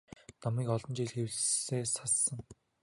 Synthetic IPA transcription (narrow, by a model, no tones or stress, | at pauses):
nɔmiːkɔɮɞ̆nt͡ɕiɮxewɮseːsasːə̆ŋ